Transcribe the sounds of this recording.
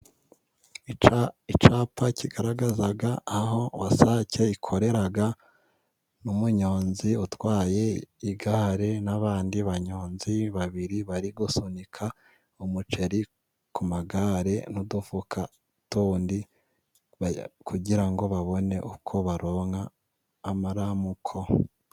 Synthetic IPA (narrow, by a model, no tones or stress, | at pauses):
iit͡ʃapaciɡaɾaɡazaɡaːɦo̞wasace̞ikʰo̞ɾe̞ɾaɡa | numuɲo̞ːnziutwaːje̞iɡaɾe̞naβaːndiβaɲo̞ːnziβaβiɾiβaɾiɡusunikʰa | omut͡ʃe̞ɾi | kumaɡaɾe̞nudufukʰa | tuːndi | kuɟiɾaŋɡo̞βaβo̞ne̞ʔukʰo̞βaɾo̞ːŋaː | maɾamukʰo̞